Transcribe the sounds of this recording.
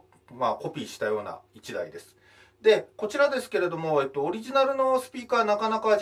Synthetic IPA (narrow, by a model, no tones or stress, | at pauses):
mako̞pʲiːɕi̥t̪ajo̞ːna̰it͡ɕid̪a̰id̪e̞sɨ̥ | d̪e̞ko̞t͡ɕiɾad̪e̞sɨ̥ke̞ɾe̞d̪o̞mo̞et̪ːo̞ːɾʲiʑinaɾɯ̟no̞sɨ̥pʲiːkaːnakanaka